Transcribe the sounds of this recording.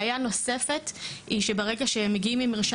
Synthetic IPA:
jano̞se̞fe̞tiʃebaʁeɡaʃeemːeɡiimlimiʁʃa

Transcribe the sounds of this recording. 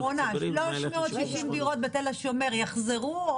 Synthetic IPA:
onaʃloʃmeot̪ʃiʃimd̪iʁot̪̚bet̪elaʃomeʁjaχzeʁu

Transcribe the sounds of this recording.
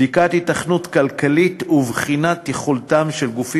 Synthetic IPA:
ikat̪hitaχnutkalkalituvχinat̪eχoltamʃelɡufi

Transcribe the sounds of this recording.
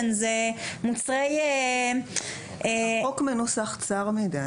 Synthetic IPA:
nzemut͡sʁej | okmenosaχt͡saʁmed̪a

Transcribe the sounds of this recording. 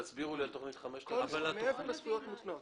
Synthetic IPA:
at͡sbiʁulialtoχnit̪χameʃt̪ːvalatefomesvujot̪mut̪not

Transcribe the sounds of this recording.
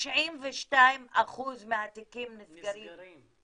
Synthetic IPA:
ʃʕimvɛʃtajmaχuzmeat̪ikimnisɡaɾi

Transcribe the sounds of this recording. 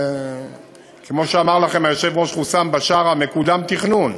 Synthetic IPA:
kemo̞ʃeamaʁlaχe̞majo̞ʃe̞vʁo̞ʃχusambaʃaʁame̞kud̪amt̪iχnun

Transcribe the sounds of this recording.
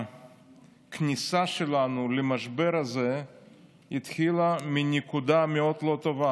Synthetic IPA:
knʲisaʃelanulemaʃbe̞ɾaze̞ | it̪xilaminekud̪ameo̞d̪lo̞t̪o̞va

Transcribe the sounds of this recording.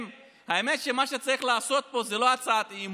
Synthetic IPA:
m | haeme̞t̪ʃe̞maʃet͡saʁiχlaːso̞t̪̚po̞zelo̞at͡sat̪iːm

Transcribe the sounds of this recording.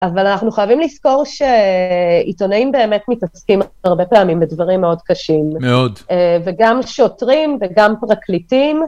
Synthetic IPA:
ʔavalanaχnuχajavimlisko̞ʁʃe | ito̞naimbe̞ːme̞tmitaskimaʁbe̞peamimbedvaʁimːeo̞dkaʃimmeod̪veɡamʃo̞tʁimveɡampʁaklitim

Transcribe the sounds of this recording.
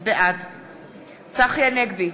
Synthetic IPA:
beʔad̪ | t͡saχjaneɡ̚bi

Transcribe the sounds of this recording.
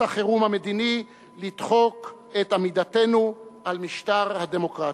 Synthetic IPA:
aχeʁumhame̞d̪ini | lid̪χo̞k | et̪amid̪at̪e̞nuʔalmiʃt̪aʁhad̪emo̞kʁa

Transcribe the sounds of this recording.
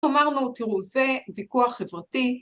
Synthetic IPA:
amaʁnut̪iʁuzevikuaχevʁati

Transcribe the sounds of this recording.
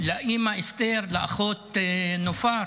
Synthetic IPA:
laʔimaʔest̪eɾlaaχot̪nofaɾ

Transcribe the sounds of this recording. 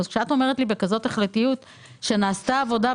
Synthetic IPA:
zkʃeato̞me̞ʁ̞etlibe̞kazo̞teχletijut | ʃe̞naːstaːvo̞da

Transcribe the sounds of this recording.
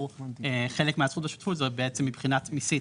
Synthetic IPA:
eχe̞lekmeasχuteʃu̥tfut̪zebeet͡semːibχinatmisi

